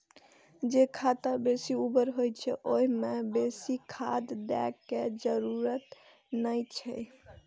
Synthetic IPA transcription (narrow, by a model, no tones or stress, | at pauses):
d͡ʒekʰat̪abesiubəɾɦojt͡ʃʰɛʔoimebesikʰad̪d̪ɛ̰kːed͡ʒəɾuɾət̪ | nəjt͡ʃʰɛ̰